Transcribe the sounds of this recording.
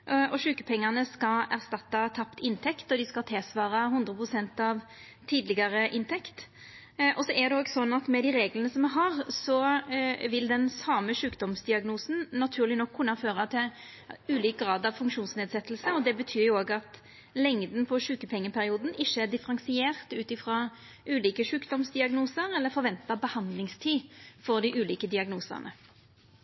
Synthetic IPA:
ʔɔʃʉːkə̥pʰɛŋːəʁnəskɑæʁst̪ɑt̪ːɑt̪ʰɑpt̪ɪnt̪ʰɛkt̪ɔd̪ɪskɑlt̪ʰɪlsʋɑːɾɑɦʊnd̪ɾəpʰʁʊsɛnt̪ɑʋ | t̪ʰiːd̪lɪɡɑɾəʔɪnt̪ʰɛkt̪ | ʔɔsɔʔæd̪ɛoːɡsɔnːɑt̪mɛd̪ɪɾeːɡlənəsɔmɛɦɑʁsɔ | ʋɪld̪ɛnsɑːməʂʉːkd̪ɔmsd̪ɪɑɡnuːsnnɑt̪ʰʉːɾlɪnɔkʰːʉnːɑføːʁɑt̪ʰɪ | ʉːliːk̚ɡʁɑːd̪ɑʋfʉŋkʃuːnsneːd̪sɛt̪ːlsəɔd̪ɛbət̪ʰyːɾjʊoːɡɑt̪ | lɛŋd̪n̩pʰɔʃʉːkəpʰɛŋːəpʰæʁɪuːd̪n̩ɪʃːəd̪ɪfəɾɑnsɪeːʁt̪ʉːt̪ɪfʁɑː | ʔʉːliːkəʂʉːkd̪ɔmsd̪ɪɑɡnuːsəʁɛlːəfɔɾʋɛnt̪ɑbəhɑnd̪lɪŋst̪ʰiːfɔʁd̪ɪʔʉːliːkəd̪ɪɑɡnuːsə̰ʁnʔə̰

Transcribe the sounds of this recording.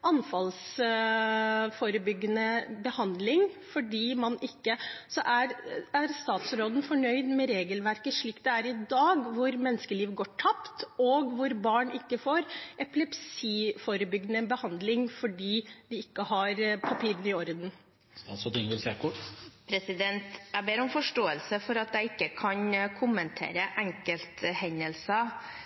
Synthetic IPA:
ɑnfɑls | fɔɾəbʏɡːənəbəhɑnd̪lɪŋfɔɖiːmɑnʔɪkːəsɔʔæɾæɾst̪ɑːt̪sɾoːd̪n̩fɔɳœʏd̪mɛɾeːɡəlʋæɾkəʂɭiːkt̪̚d̪ɛæɾɪd̪ɑːɡʋʊɾmɛnːəskəliːʋɡoːʈʰɑpt̪ɔɡʋʊɾbɑːɳɪkːəfoːɾɛplɛpsiːfoːɾəbʏɡnəbəhɑnd̪lɪŋfɔɖiːd̪ɪɪkːəhɑɾpʰɑpʰiːɾənɪɔɾd̪n̩ | ɑsɔd̪ɪŋʋɪlsekʰʊʈpʰɾɛsɪd̪ɛnt̪æbeːɾɔmfɔʂʈoːəlsəfɔɾɑt̪̚d̪æɪɪkːəkʰɑnkʰʊmənt̪ʰḛːɾəʔæŋkəlt̪hɛnːəlsɑ

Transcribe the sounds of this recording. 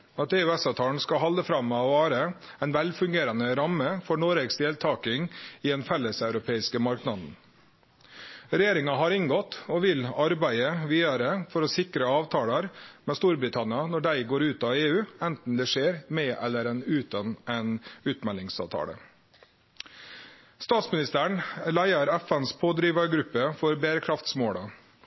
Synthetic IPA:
ɑt̪eːʉɛsɑːʋt̪ʰɑːɳ̩skɑɦɑld̪əfɾɑmːɛɔʋɑːɾə | ɛɪnʋɛlfʉŋɡeːɾənəɾɑməfɔɳoɾeɡsd̪eːlt̪ʰɑːkɪŋiːɛːnfɛlːəsɑʉɾʊpʰeːɪskəmɑɾknɑd̪n̩ | ɾɛjeːɾɪŋɑɦɑɾɪŋɡɔt̪ːɔʋɪlɑɾbæɪəʋiːɑɾəfɔɾɔsɪkɾəɑːʋt̪ʰɑːlɑɾmɛst̪uːɾbɾɪt̪ʰɑnɪɑnɔɖæɪɡoːɾʉːt̪ɑeːʉːɛnt̪n̩d̪ɛːʂeːɾmɛːʔɛlːəɾɛnʉːt̪ɑnʔɛnʉːt̪mɛlɪŋsɑ̰ʋt̪ʰɑ̰ːɽə̰ | st̪ɑːt̪smɪnɪst̪æːɳlæɪɑɾæfɛnspʰoːd̪ɾiːʋɑɾɡɾʉpːəfɔɾbeːɾəkʰɾɑft̪smoːɽɑ

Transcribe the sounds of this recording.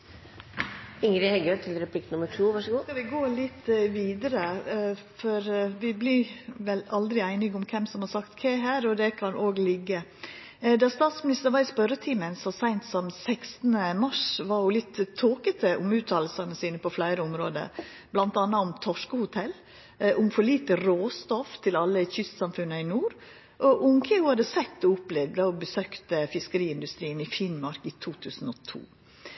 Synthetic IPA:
ɪŋɾɪhɛɡøt̪ʰɪlɾɛpʰliːknʊməʈʰuːʋɑʂəɡuːskɑʋɪɡoːlɪt̪ːʋiːd̪əɾə | fɔɾʋɪbliʋɛlɑld̪ɾɪæɪnɪɡʊmkʰɛmsɔmhɑɾsɑkt̪kʰeːɦæːɾɔd̪ɛkʰɑnʔoːɡlɪɡːə | d̪ɑst̪ɑːt̪smɪnɪst̪əɾʋɑɾɪspœɾət̪ʰiːmənsɔsæɪnt̪sɔmsæksnəmɑʂʋɑɾjʊlɪt̪ːt̪ʰːoːkət̪ʰəʔʊmʉːt̪ʰːɑːll̩sɑnəsiːnəpʰɔflæɪɾəʊmɾoːd̪ə̰ | blɑnt̪ɑnːɑʊmt̪ʰɔʂkəhʊt̪ʰɛl | ʔʊmfɔɭiːt̪əɾoːst̪ɔft̪ʰɪlɑlːəçʏst̪sɑmfʉnːəɪnuːɾ | ʔɔʔʊŋkʰəhʊɑd̪əsɛt̪ːɔʊplɛd̪ɑɔbəsøːkt̪əfɪskəɾiːɪnd̪ʉst̪ɾiːənɪfɪnmɑɾkit̪ʰuːt̪ʰʉːsn̩ɔt̪ʰṵː

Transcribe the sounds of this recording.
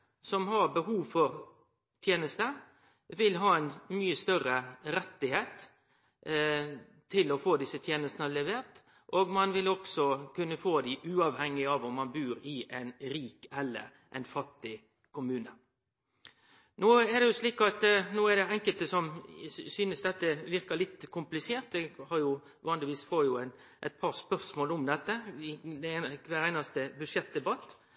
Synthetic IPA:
sɔmhɑɾbəhuːʋfɔɾ | t̪ʰjeːnəst̪ə | ʋɪlɦɑːɛɪnmyːəst̪œɾəɾɛt̪ːɪheːt̪ | t̪ʰːɪlɔfoːd̪ɪsːət̪ʰjeːnəst̪ənəlɛʋeːɾt̪ | ʔoːɡmɑnʋɪlɔksɔkʉnːəfoːd̪ɪʔʉːɑʋhɛŋːɪɑʋɔmːɑnbʉːɾɪʔæɪnɾiːkɛlːə̰ɾ | ʔɛ̰ɪnfɑt̪ːɪ | kʰʊmʉːnə | noːɛd̪ɛjʊsliːkɑt̪noːɛd̪ɛɛŋkəlt̪əsɔmsyːnəsd̪ɛt̪ːəʋɪɾkɑlɪt̪ːkʰʊmplɪseːɾt̪d̪ɛhɑɾjʊ | ʋɑːnlɪʋiːsfoːɾjʊæɪn | ʔɛt̪̚pʰɑɾspœɾsmoːlʊmd̪ɛt̪ːəɪd̪ɛnkʋæɾæɪnɑst̪əbʉʂɛt̪̚d̪ɛbɑt̪ː

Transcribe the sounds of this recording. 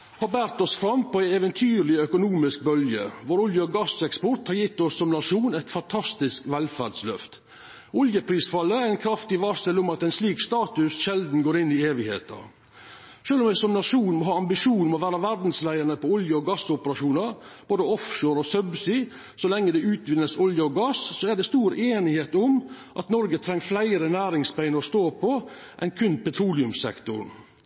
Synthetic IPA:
hɑbæːɾt̪ɔsfɾɑmpʰɔæɪɛʋənt̪ʰyːɾlɪœkʊnuːmɪsk̚bœljə̰ʋoːɾʊljəɔɡɑsɛkspɔɾʈ̪hɑɾjɪt̪ːɔsːɔmnɑʂuːnɛɪt̪fɑnt̪ʰɑst̪ɪskʋɛlfæɖslœft̪ | ʊljəpʰɾiːsfɑlːəæɾɪnkʰɾɑft̪ɪʋɑɾsɛlʊmɑt̪æɪnsliːkst̪ɑːt̪ʉsʃɛld̪n̩ɡoːɾɪnːɪeːʋɪhḛːt̪ɑ̰ɾ | ʂøːlɔmɛsɔmnɑʂuːnmɔɦɑːɑmbɪʂuːnmɔʋæːɾɑʋæɾɖ̪n̩slæɪəɾnəpɔɔljəɔɡɑsːʊpəɾɑʂuːnɑɾ | b̥oːd̪əɔfʃoːɾɔsœbsɪ | sɔlɛŋːəd̪ɛʉːt̪ʋɪnːəsɔljəɔɡɑsːɔæɖɛst̪uːɾeːnɪheːt̪ʊm | ʔɑt̪nɔɾɡət̪ʰɾɛŋːflæɪɾənæːɾɪŋspæɪnəɾɔst̪oːpʰɔʔɛnkʰʉnpʰɛt̪ʰɾuːlɪʉmsɛ̰kt̪ʊ̰ɾ

